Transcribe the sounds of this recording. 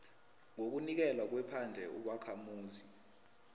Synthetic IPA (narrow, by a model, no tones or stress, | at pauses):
ŋok̬unik̬ɛlwak̬wɛpʰand͡ɮʱɛuɓakʰamuːzi